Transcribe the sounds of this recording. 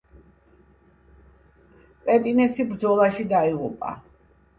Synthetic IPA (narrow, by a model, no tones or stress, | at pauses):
pʼɛt̪ʼinɛsibɾd̪zɔlˠaʃid̪aiʁupʼa̰